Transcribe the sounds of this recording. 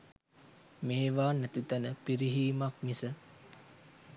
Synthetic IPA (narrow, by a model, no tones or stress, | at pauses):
meːʋaːnæt̪it̪ænəpiɾiɦiːmak̚misə